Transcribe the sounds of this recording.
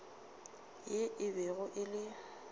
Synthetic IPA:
jeʔɪbɛɣʊʔɪlɪ

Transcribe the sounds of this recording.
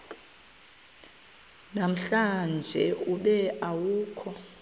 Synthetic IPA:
nam̩ɬand͡ʒʱɛuɓɛawuːkʰɔ

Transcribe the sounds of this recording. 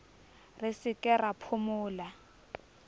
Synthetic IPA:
rɪsɪkʼɛrapʰʊmʊːla

